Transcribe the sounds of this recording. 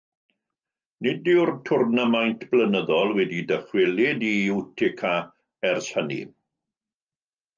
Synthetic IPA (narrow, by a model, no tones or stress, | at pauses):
nɪdɪwrtʰʊrnəmajntʰb̥lənəðɔlˠwɛdidəχwɪlɪdiɪwtʰɪkʰa | ɛrshənḭ